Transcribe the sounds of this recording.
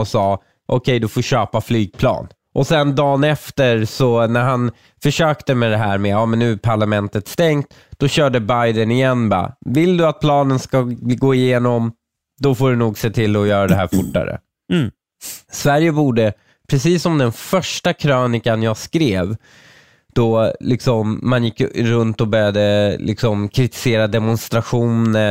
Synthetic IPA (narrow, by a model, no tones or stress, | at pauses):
ɔsɑː | ʔɔkʰɛjd̪ɵfoːɕøːpaflyːɡ̚pʰlɑ̰ːn | ʔɔsɛnd̪ɑːnɛft̪əɾsɔnæɾɦan | fœʂøːkt̪əmɛd̪ɛɦæːɾmɛɑːmɛnːʉ̟ːæpʰaɭamɛnt̪ət̪st̪ɛŋt̪ | d̪̥ɔɕœːɖəbajd̪ənɪjɛnːbɑ̰ːvɪld̪ɵat̪̚pʰlɑːnənskaɡoːɪjeːnɔm | d̪ɔfoːɖɵnuːɡseːt̪ʰɪlːɔjœːɾad̪ɛɦæ̰ːɾfʊʈːa̰ɾə̰ | svæɾjəbuːɖə | pʰɾɛsiːsːɔmd̪ɛnfœʂʈakʰɾøːnɪkanjɑːɡskɾeːv | d̪̥ɔlɪksɔmːanjɪkːɾɵnt̪ɔbœɾjad̪əlʔɪ̰ksɔmkʰɾɪt̪ɪ̥seːɾad̪ɛmʊnst̪ɾaɧuːnnə